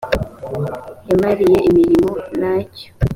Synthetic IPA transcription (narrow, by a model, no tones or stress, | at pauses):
jamaɾije̞ʔimiɾimonaco̥